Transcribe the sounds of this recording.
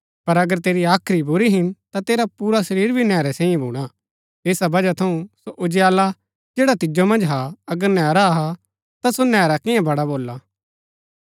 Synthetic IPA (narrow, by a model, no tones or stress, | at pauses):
pɐɾɐɡəɾt̪eːɾiaːkʰɾibʊɾiɦɪnt̪at̪eːɾapuːɾasɐɾiːɾbʱinɛːɾɛsɛ̃ːĩẽbʱuːɽ̃a | eːsabɐd͡ʒat̪ʰɐũsoʔʊd͡ʒjaːla | d͡ʒeːɽat̪ɪd͡ʒomɐ̃nd͡ʒɦaɐɡəɾnɛːɾaɦa | t̪asonɛːɾakɪjãbɐɽaboːlːa